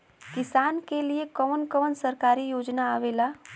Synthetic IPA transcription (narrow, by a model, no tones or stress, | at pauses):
kɪsaːnkeliekəʋənkəʋənsəɾkaːɾijoːd͡ʒnaaʋela